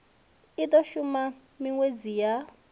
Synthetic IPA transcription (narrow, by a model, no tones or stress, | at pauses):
it̪ɔʃuma | miŋwed͡zija